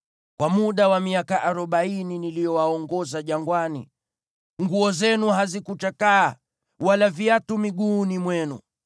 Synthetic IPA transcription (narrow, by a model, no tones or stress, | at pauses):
kwamuɗawamiakaʔaɾɔɓaininilijɔwaɔŋɡɔzaʄaŋɡwanḭ | ŋɡuɔzɛnuɦazikut͡ʃakaː | walaviatumiɠuːnimwɛnṵ